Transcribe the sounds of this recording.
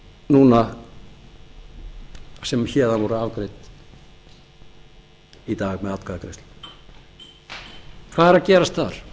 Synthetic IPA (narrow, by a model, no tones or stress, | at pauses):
nuːna | sɛmçɛːðanvɔɾʏaːvkɾejt̪ | it̪aːɣmɛðat̪kaðakɾest̪l | kʰv̥aːðɛɾacɛːɾast̪θa̰ɾ̥